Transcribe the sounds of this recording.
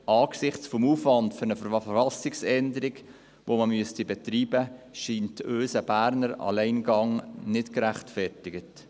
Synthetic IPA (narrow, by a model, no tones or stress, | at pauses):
ɑːksɪχt͡sfomuːfvɑntføɾnəfəɾɑfɑlsɪksɛndəɾɪɡ | ʋoməmyəstibɛtriːbəʃiːntøːsəb̥æːɾnəɾɑ̰lɛɪnɡɑŋnɪtkɾæχtfɛrtɪɡət